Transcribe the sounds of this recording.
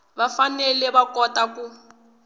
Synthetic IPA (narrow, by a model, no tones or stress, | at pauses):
bafanɛlɛβakɔtaku